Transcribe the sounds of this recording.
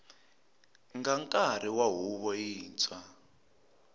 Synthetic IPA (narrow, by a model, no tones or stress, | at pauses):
ŋɡaŋkʼaɾ̤iwaɦuβɔiːnt͡sa